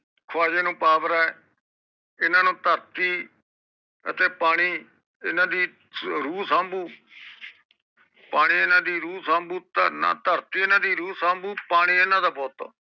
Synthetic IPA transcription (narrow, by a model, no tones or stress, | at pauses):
kʰʊaːd͡ʒeːnũːpaːbəɾɛː | ɪnãːnũːt̪əɾt̪iː | ə̰t̪eːpaːɽ̃iː | ɪnãːd̪iː | ɾuːsãːmbuː | paːɽ̃iːɪnãːd̪iːɾuːsãːmbuːt̪nã̰ːt̪əɾt̪iːɪnãːd̪iːɾuːsãːmbuːpaːɽ̃iːɪnãːd̪aːbɔːt̪ː